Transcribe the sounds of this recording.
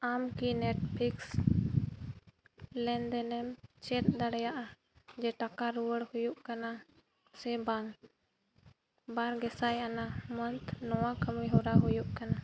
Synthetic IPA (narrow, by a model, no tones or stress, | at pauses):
amkinɛʈpʰiks | lɛnd̪ɛnɛmt͡ʃɛt̪̚d̪aɽɛjaʔa | d͡ʒɛʈakaɾuwəɽhujuʔkana | sɛbaŋ | baɾɡɛsajanamənt̪nɔwakəmiɦɔɾaɦujuʔkana